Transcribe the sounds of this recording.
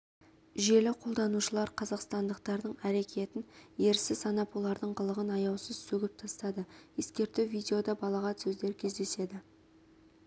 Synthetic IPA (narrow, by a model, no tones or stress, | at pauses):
ʒe̞lɪqʰo̞lˠd̪ɑnuʃəlˠɑɾqʰɑzɑqst̪ɑnd̪əq̚t̪ɑɾd̪əɴæɾe̞kʲe̞t̪ɪnje̞ɾsɪsɑnɑpwo̞lˠɑɾd̪əɴqəlˠəʁənɑjɑwsəzsɵɡʲɪp̚t̪ʰɑst̪ɑd̪əje̞skʲe̞ɾt̪ɪwvijdʲe̞o̞d̪ɑbɑlˠɑʁɑnsɵzd̪e̞ɾkʲʰe̞zd̪e̞se̞d̪ɪ